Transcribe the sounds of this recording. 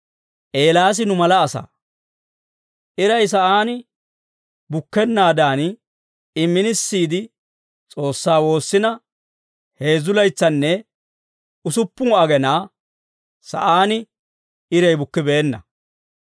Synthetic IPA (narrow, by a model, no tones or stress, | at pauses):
ʔe̞ːlaːs̬ɪnʊmɐlɐːsa̰ː | ʔɪɾɐjs̬ɐʔaːnɪ | bʊkːɛnːaːd̪aːn | ɪmːɪnɪsːiːd̪ɪ | t͡sʼo̞ːsːaːwo̞ːsːɪnɐ | he̞ːzʊlɐjt͡sːɐnːɛ | ʊsʊpːʊɐɡɛnaː | sɐ̰ʔaːnɪ | ɪɾɛjbʊkːɪbe̞ːnːɐ̰